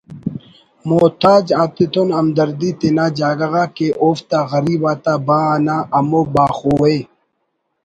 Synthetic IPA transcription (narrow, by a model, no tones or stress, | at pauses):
moːt̪aːd͡ʑaːt̪et̪onɐmd̪ɐɾd̪it̪enaːd͡ʑaːɡɐɣaːkeʔoːft̪aɣɐɾiːbaːt̪abanaʔɐmobaːxowe